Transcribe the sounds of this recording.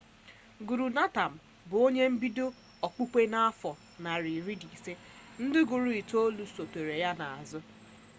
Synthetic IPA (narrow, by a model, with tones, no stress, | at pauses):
ɡu˨ɾu˨na˦ta˨m̩˨ | bʊ˨o˦ɲe˦m̩˦bi˦do˦ | ɔ˨k͡pu˦kʷe˦na˦a˦fɔ˨ | na˨ɾi˨ɾi˦di˨se˦ | n̩˦dɪ˦ɡʊ˨ɾu˦i˨to˦lu˨so˨te˨ɾe˨ja˦na˨a˨zʊ˦